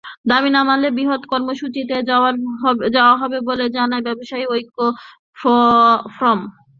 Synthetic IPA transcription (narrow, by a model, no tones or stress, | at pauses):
d̪aminamalebiɦot̪kɔɾmoʃut͡ɕit̪̬ea | d͡ʑaoaɦɔbeboled͡ʑanaebɛboʃaiojkːo | fɔfɾɔm